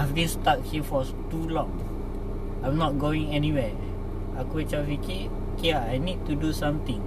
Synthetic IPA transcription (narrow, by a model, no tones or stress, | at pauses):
vbĩnstat̚hifɔstulɔ̃ŋ | ãjmnɔt̚ɡoĩŋɛniwɛ | akuit͡ʃafiki | kiajnid̚tudusãmt̪ĩŋ